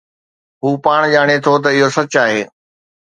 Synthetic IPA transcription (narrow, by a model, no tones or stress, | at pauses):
ɦuːpaːɽ̃ʄaːɽ̃et̪ʰot̪̬ɐɪɦosɐt͡ɕaːɦeː